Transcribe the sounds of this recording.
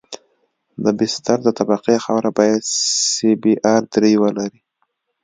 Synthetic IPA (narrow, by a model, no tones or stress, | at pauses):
d̪əbɪst̪aɾd̪ət̪abaqexawɾabɑjad̪sebeʔaɾd̪ɾejwəlaɾi